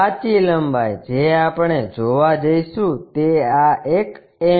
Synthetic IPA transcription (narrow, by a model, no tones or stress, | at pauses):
at͡ʃiləmbʱajd͡ʒeapəɳ̃ed͡ʒoʋad͡ʒəiʃũt̪eaek | e